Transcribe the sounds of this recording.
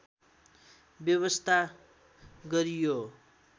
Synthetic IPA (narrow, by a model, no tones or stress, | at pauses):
bjʌβʌst̪ʰa | ɡʌɾijo